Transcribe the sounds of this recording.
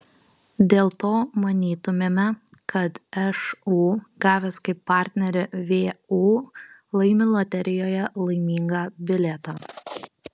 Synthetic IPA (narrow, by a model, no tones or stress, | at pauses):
d̪ʲeːlˠt̪oːmɐnʲiːt̪ʊmʲeːmʲɛkɐt̪ɛʃuːɡɑːʋʲɛːskɐɪpːɑːˑɾʲt̪ʲnʲɛɾʲɪʋʲeːuːlˠɐɪmʲɪlˠɔt̪ʲɛɾʲɪjoːjɛlˠɐɪmʲiːŋɡɑːbʲɪlʲɛt̪ɑː